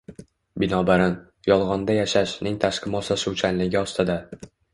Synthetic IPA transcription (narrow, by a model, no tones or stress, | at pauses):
bɪnɒbaɾan | jɒlˠʁɒnd̪ajaʃaʃnɪŋt̪ʰaʃqʰɨmɒsaʃuwt͡ʃʰanlɪɡʲɪɒst̪ɪd̪a